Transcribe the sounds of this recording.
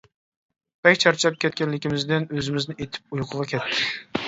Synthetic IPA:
bɛkʲt͡ʃʰɑɾt͡ʃʰɑp̚kʲʰɛt̪̚kʲɛnlːɪkʲimɪzd̪ɪnøzɪmɪznɪet̪ʰɪ̥p̚ujqʰəʁɑkʲʰɛt̪ʰːɪ

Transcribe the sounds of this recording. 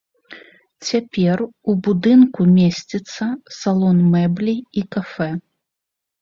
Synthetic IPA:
t͡sʲapʲɛrubud̪ɨnkumʲesʲt͡sʲit̪sːɐsalˠɔnmɛblʲiikafɛ

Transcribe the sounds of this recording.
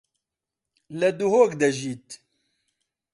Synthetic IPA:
lɐd̪uɦoːkd̪ɐʒiːt̪

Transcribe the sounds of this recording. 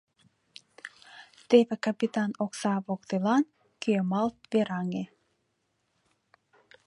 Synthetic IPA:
t̪eβĕkɑpit̪ɑnoksɑβokt̪elɑn | keemɑlt̪̚βeɾɑŋe

